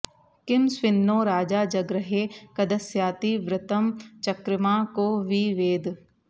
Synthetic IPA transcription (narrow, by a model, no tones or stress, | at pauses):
kɪmsʋɪnːõːɾaːd͡ʒaːd͡ʒɐɡɾəɦeːkɐd̪əsjaːt̪iʋɾɪt̪əmt͡ʃɐkɾɪmãːkoːʋiʋeːd̪ʱ